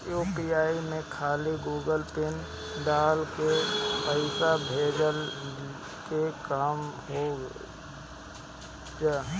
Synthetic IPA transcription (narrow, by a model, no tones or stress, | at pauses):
joːpiaːimẽkʰaːliɡoːɡəlpɪn | ɖaːlkepəɪsabʱeːd͡ʒəl | kekaːmɦo | d͡ʒa